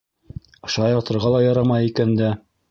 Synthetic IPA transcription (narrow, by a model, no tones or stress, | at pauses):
ɤ̆ʃɑjɑɾt̪ɤ̆ɾʁɑlˠɑjɑɾɑmɑjikænd̪æ